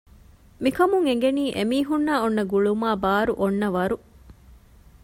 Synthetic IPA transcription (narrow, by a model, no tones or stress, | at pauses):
mikɐmuŋeŋ̆ɡeniːʔemiːɦunːaːonːɐɡuɭumaːbaːɾuʔonːɐʋɐɾu